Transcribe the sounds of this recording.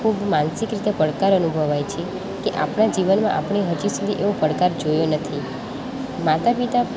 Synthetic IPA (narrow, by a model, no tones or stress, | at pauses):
kʰubmansɪkɾit̪epəɽkaɾənubʱəʋajt͡ʃʰe | keʔa̰pɳ̃ad͡ʒiʋənmãʔapɳ̃eɦəd͡ʒisud̪ʱiʔeʋopəɽkaɾd͡ʒojonət̪ʰi | mat̪apit̪a